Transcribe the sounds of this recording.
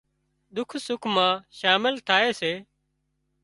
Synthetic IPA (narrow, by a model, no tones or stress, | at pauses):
ɗ̪ʊkʰsʊkʰmãːʃaːmɪlt̪ʰaːeːseː